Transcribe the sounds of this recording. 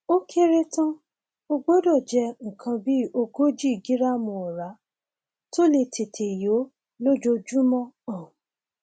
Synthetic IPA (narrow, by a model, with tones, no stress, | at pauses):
o˦kʰe˦ɾe˦tã˦ | o˧ɡ͡bo˦dɔ˦˨d͡ʒɛ˧ŋ̩˨kʰã˧bi˦o˧ɡo˦d͡ʒi˦i˨ɡi˨˦ɾa˦mũ˧ɔ˨ɾa˨˦ | to˦le˧tʰe˨tʰe˨jo˨˦ | lo˦d͡ʒo˧d͡ʒu˦mɔ̃˦ɔ̃˦˨